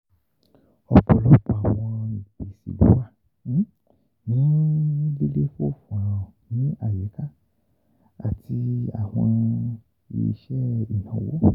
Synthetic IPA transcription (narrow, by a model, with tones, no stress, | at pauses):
ɔ˧k͡pɔ˨lɔ˦k͡pɔ˨a˨w̃ɔ̃˧ĩ˨pe˨sḭ˨bṵ˨˦wa˦˨˦ | nĩ˨˦li˦le˦fo˦˨fũ˨ã˨nĩ˨˦a˦˨jɛ˨˦ka˦ | a˨tʰi˧a̰˨w̃ɔ̰̃˧ | ḭ˧˨ḭ˧ʃɛ˦i˨nã˨˦wo̰˦